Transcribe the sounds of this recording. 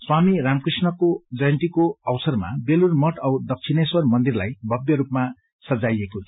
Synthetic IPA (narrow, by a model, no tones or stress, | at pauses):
swamiɾamkrisnʌkod͡zʌjʌnt̪ikoʌwsʌrma̰belurmʌʈʌwd̪ʌk̚t͡sʰineswʌrmʌnd̪irlajbʱʌbjʌɾupma | sʌd͡zajekotʰ